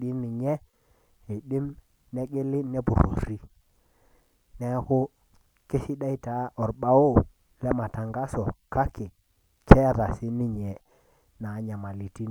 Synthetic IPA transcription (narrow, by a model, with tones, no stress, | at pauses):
ɗi˦nɪ˨ɲɛ˦ | e˨ɗɪ˦m | nɛ˦ɡe˦lɪ˦nɛ˦bṵ˨ɾo̰˨ɾi˦ | nɛ˦kʊ˦ | ke˦si˦ɗa˦i˦ta˨˦ʔɔ˨ɾɓa˦o˦ | lɛ˦ma˨ta˨ŋɡa˦sɔ˨kʰa˦ke˨ | kɛ˦˨ɾa˨sɪ˦nɪ˨ɲɛ˨ | na˨˦ɲa˨ma˨li˨ti˦n